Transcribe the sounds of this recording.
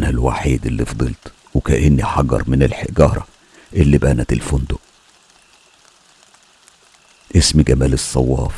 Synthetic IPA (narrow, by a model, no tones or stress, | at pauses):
nælwa̰ːħiːd̪elːifd̪ˤɨlt̪ | wekæʔɪnːiħɑɡɑ̰ɾˤmɪnɪlħeɡɑːɾˤɑ | ʔɪlːiːbʔænæt̪elfʊnd̪ʊʔ | ʔɪsmɡæmæːlɨsˤːɑwːɑːf